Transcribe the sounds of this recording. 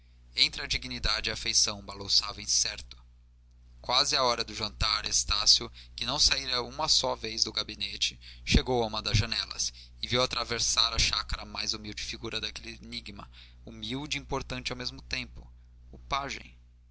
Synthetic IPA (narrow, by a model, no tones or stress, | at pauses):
ẽnt̪ɾɪad͡ʒiɡnid̪ad͡ʒɪafejsɐ̃w̃balõwsavẽsɛɾt̪ʊ̥ | kwazɪaɔɾɐd̪ʊʒɐ̃nt̪aɾest̪asjʊkɪnɐ̃w̃saiɾɐũmɐsɔvejzd̪ʊɡabinet͡ʃɪ̥ʃeɡowɐũmɐd̪ɐzʒɐnɛlɐ̰s | ɪviwat̪ɾaveɾsaɾɐʃakaɾɐmajzumiwd͡ʒɪfiɡuɾɐd̪ɐkelɪniɡmɐ̰ | umiwd͡ʒiĩpoɾt̪ɐ̃nt͡ʃɪawmezmʊt̪ẽmpʊ | ʊpaʒḛ̃j̃